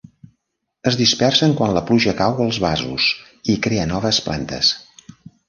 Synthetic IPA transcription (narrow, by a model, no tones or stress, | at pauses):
əzðispɛrsəŋkwanləpluʒəkawəlˠzβazṵs | ikɾeənɔβ̞əspla̰nt̪ə̰s